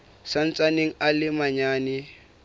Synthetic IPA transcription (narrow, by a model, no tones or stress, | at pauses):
san̩t͡sʼaneŋ̩alɪmaɲaːnɪ